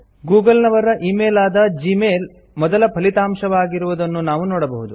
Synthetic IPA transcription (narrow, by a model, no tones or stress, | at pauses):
ɡuːɡɐlnɐʋɐɾɐʔiːmeːlaːd̪ɐd͡ʒimeːl | mɔd̪ɐlɐpʰɐlit̪aːmʃɐʋaːɡiɾuʋud̪ɐnːunaːʋunɔːɽɐbɐɦud̪u